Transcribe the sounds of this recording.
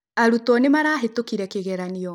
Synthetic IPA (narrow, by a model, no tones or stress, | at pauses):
aɾutɔnemaɾaːɦetokiɾɛkeɣɛɾaniɔ